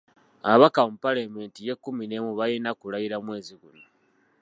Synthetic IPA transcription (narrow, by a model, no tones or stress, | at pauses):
aβakampalamentije̞kːumine̞muβajenakulaiɾamwe̞ːziɡuno